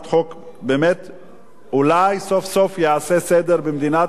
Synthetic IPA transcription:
tχok | bemet | ulajsofsofjeasesed̪eɾbemd̪ina

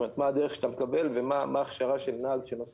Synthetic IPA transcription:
met̪maːd̪eʁeχʃe̥t̪amekabe̞lvemamaːχʃaʁaʃe̞lnaaɡʃenos

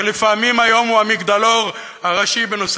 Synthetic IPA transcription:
lefamimajo̞muamikd̪alo̞ʁ | aʁaʃibenos

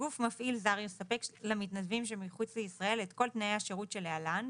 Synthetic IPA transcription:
ɡufmafʔilzaʁjosape̞klamit̪nad̪vimʃ̬emiχut͡sleisʁae̞let̪ko̞lt̪naeaʃeʁutʃe̞lealan

